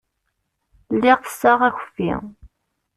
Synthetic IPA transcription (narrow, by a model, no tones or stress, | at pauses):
lːɪʁθə̥sːaʁæçə̥fːḭ